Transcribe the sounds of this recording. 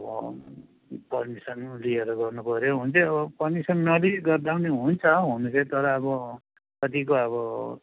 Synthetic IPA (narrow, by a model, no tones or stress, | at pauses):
ʌbʌ̰ | pʌrmisʌnlieɾɡʌrnupʌɾjoɦunt͡sʰʌʌbʌpʌrmisʌnːʌliɡʌrd̪awneɦunt͡sʰʌɦunt͡sʰʌt̪ʌɾʌːbʌ | kʌt̪ikoʌβʌ